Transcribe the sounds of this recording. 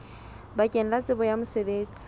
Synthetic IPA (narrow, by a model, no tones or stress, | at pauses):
bakʼɛn̩lat͡sʼɪbɔjamʊsebeːt͡sʼi̥